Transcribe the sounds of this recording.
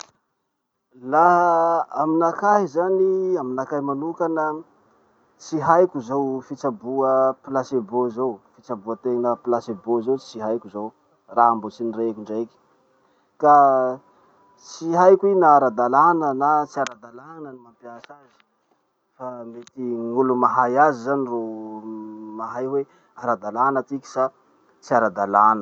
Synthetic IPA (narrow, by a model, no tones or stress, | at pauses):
la | aminakaɦizaniaminakaɦimanukanə | t͡siɦajkʲuzowfit͡sabuəplasebozofit͡sabuət̪eŋnəplasebozowt͡siɦajkʲuzow | raambot͡sinirekʲuɳɖ͡ʐeki̥ | ka | t͡siɦajkʲuinaːɾad̪alanənat͡siaɾad̪alanənimampjasazi̥ | famet̪iŋulumaɦajazizaniro | maɦajwe | aɾad̪alanət̪iki̥sa | t͡siaɾad̪alanə